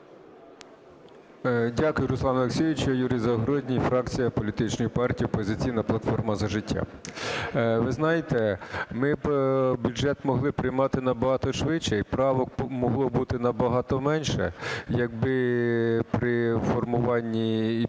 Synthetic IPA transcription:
dʲakʊjʊɾʊslˠɑnɐlˠeksʲiʋʲɪt͡ʃɔjuɾɪzɐɔɦɾɔdʲnʲifɾɑk̚t͡sʲijɐpɔlʲit̪ɪt͡ʃnɔjʊpɑrtʲiiɔpɔzʲɪt͡sʲijnɐplˠɐt̪fɔrmɐzɐʒɪtʲːa̰ | ʋɪznɑjet̪ɛmɪbʲuʒɛt̪mɔɦlˠɪpɾɪjmɑt̪ɪnɐbɐɦɑt̪ɔʃʋɪt͡ʃːɛipɾɑʋɔkmɔɦlˠɔbut̪ɪnɐbɐɦɑt̪ɔmɛnʲʃɛ̰jɐɡ̚bɪ | pɾɪfɔrmʊʋɑnʲːi

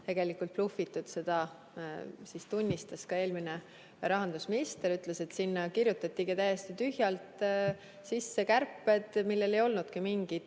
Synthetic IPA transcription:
t̪e̞ɡ̥e̞likult̪̚plufit̪ːˑud̪̥se̞d̪̥ɑ | sist̪unʲːist̪ɑskɑe̞ːlmine | ɾɑɦɑnd̪̥usminist̪eɾyt̪ˑle̞se̞t̪sinːɑkiɾjut̪ːˑɑt̪ʲːˑiɡit̪æjest̪it̪yhjɑlt̪ | sisːe̞kærpːˑe̞d̪̥milːe̞le̞jo̞lnud̪̥kimiŋɡ̥id̪̥

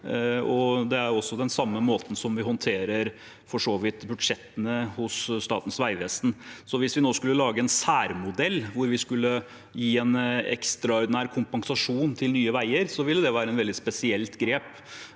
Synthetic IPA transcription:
ɔd̪ɛæɾɔsːɔd̪ɛnsɑmːəmoːt̪n̩sɔmʋɪhɔnt̪ʰeːɾəɾ | fɔʂoːʋɪt̪bʉd̪ʂɛt̪ːənəhʊsːt̪ɑ̰ːt̪n̩sʋæɪʋɛst̪n̩sɔʋɪsʋɪnoːskʉlːəlɑːɡəɛnsæːɾmʊd̪ɛlːʋʊɾʋɪskʉlːə | jiːɛnɛ̰kst̪ɾɑɔɾd̪ɪnæːɾkʰʊmpɑŋsɑʂuːnt̪ʰɪlnyːəʋæɪəɾsɔʋɪlːəd̪ɛʋæːɾəɛnʋɛld̪ɪt̪spɛsɪɛlt̪ɡɾeːp

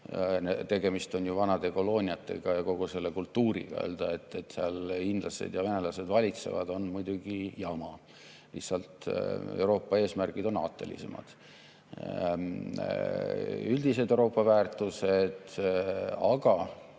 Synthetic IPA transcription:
net̪e̞ɡ̥e̞mist̪o̞njuvɑnɑd̪̥e̞ko̞lo̞ːnʲiɑt̪ːˑe̞ɡ̥ɑjɑko̞ɡ̥use̞lːe̞kult̪ːuːɾḭɡ̥ɑ̰ḛːld̪̥ɑe̞t̪ːˑe̞t̪ːseɑlind̪lɑsḛd̪̥jɑve̞ne̞lɑse̞d̪vɑlʲit̪se̞̰vɑ̰d̪̥o̞nmujd̪̥uɡ̥ijɑmɑ | lihsɑlt̪ḛwɾo̞ːpːˑɑe̞ːsmærɡ̥id̪̥o̞nɑ̰ːt̪ːˑe̞lḭse̞̰mɑ̰d̪̥ | yld̪̥ise̞d̪ewɾo̞ːpːˑɑvæːrt̪ˑuse̞d̪̥ | ɑɡ̥ɑ

